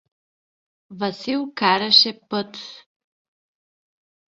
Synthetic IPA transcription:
vɐsilˠkaɾɐʃɛpət̪

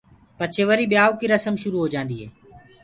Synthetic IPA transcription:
pət͡ʃʰeːʋəɾiːɓɪjaːʋkiːɾəsəmʃʊɾuːɦoːd͡ʒãːnd̪iːɦḛː

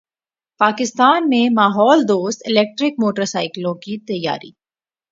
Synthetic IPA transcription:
paːkɪst̪aːnmẽmaːɦɔːld̪oːst̪ɪlɛːk̚ʈɾɪk̚moːʈəɾsaːɪklõkit̪ɐjːa̰ːɾḭː

